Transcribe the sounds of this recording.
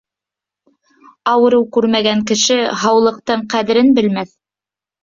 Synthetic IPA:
ɑwɤ̆ɾɤwkʉɾmæɡæŋkɘ̆ʃɘɦɑwlˠɤ̆q̚t̪ɤɴqæðɘ̆ɾɘnbɘ̆lmæθ

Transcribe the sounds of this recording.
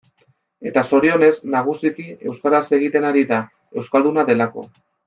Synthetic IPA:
e̞t̪aso̞ɾio̞ne̞znaɣ̞usikie̞wskaɾase̞ɣ̞it̪e̞naɾiða | e̞wskald̪unaðe̞lako̞̰

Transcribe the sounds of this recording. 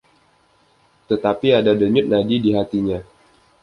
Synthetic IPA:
t̪ət̪apiadadəɲʊt̪̚nadidiɦat̪iɲa

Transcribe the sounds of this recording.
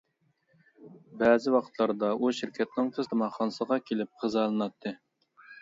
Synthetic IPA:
bɛzɪwɑqʰə̥t̪ʰlˠɑɾd̪ɑʔuʃɪɾkʲʰɛt̪̚nɪŋt̪ʰɨst̪ʰɨmɑχɑnɨsəʁɑkʲʰelɪp̚qʰəzɑlˠɨnɑt̪ʰːɨ

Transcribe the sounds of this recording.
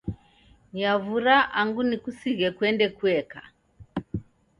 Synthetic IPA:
javuɾaʔaŋɡunikusiɣɛkwɛndɛkuɛka̰

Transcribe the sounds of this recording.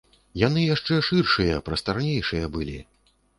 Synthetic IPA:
jan̪ɨjaʂt͡ʂɛʂɨrʂɨjɐpɾɐst̪arnʲejʂɨjɐbɨlʲḭ

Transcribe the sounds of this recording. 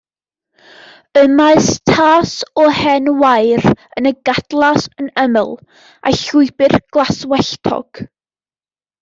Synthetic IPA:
əmaɨstʰaːsɔhɛnwajɾənəɡadlˠasənəmə̰lˠ | ʔa̰ɬʊɨbɨrɡ̥lˠaswɛɬtʰɔ̰ɡ̥

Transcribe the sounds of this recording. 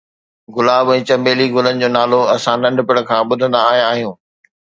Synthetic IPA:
ɡʊlaːbɛ̃ːt͡ɕɐ̃mbeːliɡʊlənɪ̆d͡ʑoːnaːloɐsãnɐ̃ɳɖʱpɪɽ̃̆kʰãːɓʊd̪ʱə̃nd̪aːɦijãːɦijũː

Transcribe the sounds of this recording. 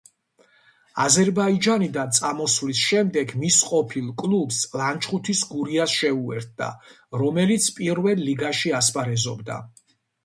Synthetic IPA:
azɛɾbaid͡ʒanid̪ant̪sʼamɔsvlisʃɛmd̪ɛɡmisqʼɔpʰilˠkʼlˠubslant͡ʃʰʼχut̪ʰisɡuɾiasʃɛuɛ̰ɾt̪̚ʰd̪a̰ | ɾɔmɛlit̪sʰpʼiɾvɛlˠːiɡaʃiaspʼaɾɛzɔbd̪a̰

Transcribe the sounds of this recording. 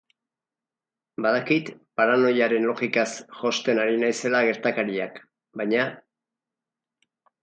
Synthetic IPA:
baðakit̪paɾano̞jaɾe̞nlo̞ɣikasʝo̞st̪e̞naɾinajse̞laɣe̞ɾt̪akaɾiak | bajɲa

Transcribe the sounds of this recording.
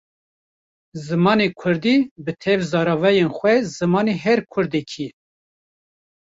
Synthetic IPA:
zɨmɑːnekʰʊɾd̪iːbɨt̪ʰɛvzɑːɾɑːvɛjenxʷɛzɨmɑːneɦɛɾkʰʊɾd̪ekʰi

